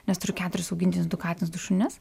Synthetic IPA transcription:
nʲɛst̪ʊɾʲʊkʲæːt̪ʊɾʲɪsɐʊɡʲɪnʲt̪ʲnʲɪsd̪ʊkɑːt̪ʲɪnɪsd̪ʊʃʊnʲɪs

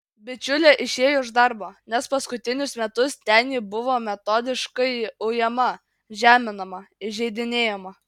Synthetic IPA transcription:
bʲɪt͡ʃʲʊlʲeːʔɪʃʲeːjoʊʒd̪ɐɾboːnʲɛspɐskʊt̪ʲɪnʲʊsmʲɛt̪ʊst̪ʲɛnʲjiːbʊʋoːmʲɛt̪oːd̪ʲɪʃkɐɪɐʊjɛmɐ | ʒʲæːmʲɪnɐmɐɪʒʲɛɪd̪ʲɪnʲeːjɛmɐ

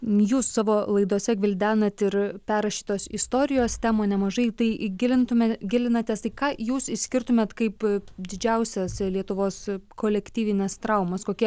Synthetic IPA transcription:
juːsːɑːʋoːlˠɐɪd̪uːsʲɛɡʲʋʲɪlʲd̪ʲæːnɐt̪ɪɾpʲæːɾɐʃʲiːt̪oːsɪst̪oːɾʲɪjoːst̪ʲæːmoːnʲɛmɐʒɐɪt̪ɐɪɡʲɪlʲɪnt̪ʊmʲeɡʲɪlʲɪnɐt̪ʲeːst̪ɐɪkɑːjuːsɪʃsʲkʲɪɾt̪ʊmʲeːt̪kɐɪpd̪ʲɪd͡ʒʲɛʊsʲɛslʲiɛt̪ʊʋoːskoːlʲɛkt̪ʲiːʋʲɪnʲeːst̪ɾɐʊmɐskoːkʲiɛ

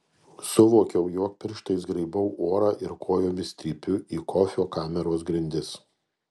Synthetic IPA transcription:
sʊʋoːkʲɛʊjoːk̚pʲɪɾʃt̪ɐɪsɡɾɐɪbɐʊʔoːɾɑːʔɪɾkʰoːjoːmʲɪsʲt̪ʲɾʲiːpʲʊiːkʰɔfʲoːkɑːmʲɛɾoːs̬ɡɾʲɪnʲd̪ʲɪs

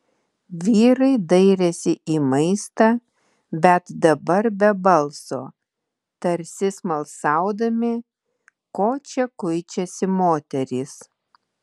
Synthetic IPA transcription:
ʋʲiːɾɐɪd̪ɐɪɾʲɛsʲɪʔiːmɐɪst̪ɑː | bʲɛt̪d̪ɐbɐɾbʲɛbɐlˠsoː | t̪ɐɾʲsʲɪsmɐlˠsɑˑʊd̪ɐmʲɪ | koːt͡ʃʲɛkʊɪt͡ʃʲɛsʲɪmoːt̪ʲɛɾʲiːs

